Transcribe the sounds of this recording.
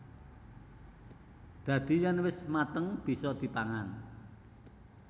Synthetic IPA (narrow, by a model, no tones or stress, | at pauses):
d̪̥ä̤d̪̥i̤janwɪsmat̪əŋb̥i̤sɔd̪̥i̤paŋan